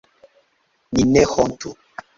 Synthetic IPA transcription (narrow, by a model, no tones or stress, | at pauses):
ninɛxɔn̩tu